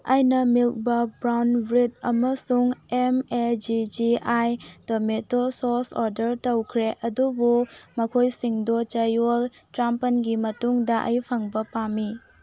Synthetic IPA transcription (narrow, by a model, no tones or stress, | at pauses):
ajnɐmilk̚bɐbɾawnbɾid̚ɐmɐsuŋemed͡ʒid͡ʒiajdometososoɾdɐɾtɐwkʰɾeʔɐdubumɐkʰojsiŋdot͡ʃɐjoltɾampɐnɡimɐtuŋdɐʔɐ̰jpʰɐŋbɐpami